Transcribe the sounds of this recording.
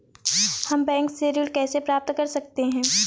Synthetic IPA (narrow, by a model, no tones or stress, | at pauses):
hɐmbɛ̃ːŋkseːɾɪlkɛːsepɾaːp̚t̪kɐɾsɐkt̪eɦɛ̃ː